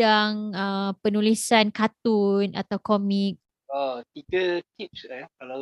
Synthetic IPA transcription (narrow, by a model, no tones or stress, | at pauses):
aŋəpənulisankat̪una̰t̪awkɔmik̚ | ət̪ikət̪ip̚slajkala